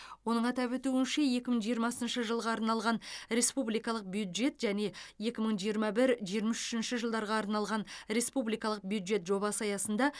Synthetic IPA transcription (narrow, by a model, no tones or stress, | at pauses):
wo̞nəɴɑt̪ɑpwɵt̪uɪnʃe̞je̞kʲɪməɴʒijəɾmɑsənʃəʒəlˠʁɑːɾnɑlˠʁɑnɾe̞spublijkɑlˠəq̚bjud̪ʒe̞t̪ʒæne̞je̞kʲɪməɴʒijəɾmɑbɪɾʒijəɾmɑsʏ̥ʃɪnʃɪʒəlˠd̪ɑɾʁɑːɾnɑlˠʁɑnɾe̞spublijkɑlˠəq̚bjud̪ʒe̞t̪ʒo̞bɑsɑjɑsənd̪ɑ